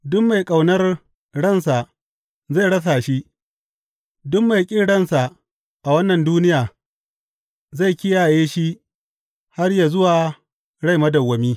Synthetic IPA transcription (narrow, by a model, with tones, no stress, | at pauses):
dʊ˦mːa˨jkʼa˨wnɐ˦r | ɽɐ˦˨ns̬a˨ʔ | za˦˨jɽɐ˦s̬aː˨ʃi˦ʔ | dʊ˦mːa˨jkʲʼɪ˦ɽɐ˦˨nsa˨ | ʔa˨wɐ˦nːɐ˨nduː˦nɪ˦jaː˨ | za˦˨jkʲɪ˦jaː˨jeː˦ʃi˦ | ha˦rja˨zʊ˦waː˨ | ɽa˦jmɐ˦dɐ˨wːɐ˨miː˦